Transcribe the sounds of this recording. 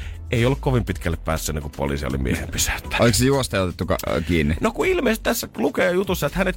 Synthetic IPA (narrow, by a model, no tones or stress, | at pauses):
eˑijolːukkoʋimpit̪kælːeppæ̰ːsːenːeŋkuppo̰lḭˑsio̰lḭmḭḛhḛmpysæ̥t̪ːæ̥oliksejuost̪ɑjɑot̪et̪ːukɑ̰kiːnːinokuilmeˑiset̪t̪æsːælukeːjut̪usːɑet̪hænet̪